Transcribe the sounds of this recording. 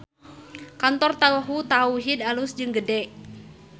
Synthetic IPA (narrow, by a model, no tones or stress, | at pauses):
kant̪ɔrt̪auɦut̪auɦid̪alusd͡ʒɨŋɡədɛʔ